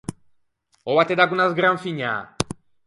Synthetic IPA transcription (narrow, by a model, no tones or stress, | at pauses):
oβat̪ed̪aɡunazɡɾaɱfiɲa̰ː